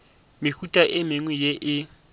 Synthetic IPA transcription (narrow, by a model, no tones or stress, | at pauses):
mɪhutʼaʔɪmɪŋwɛjeʔɪ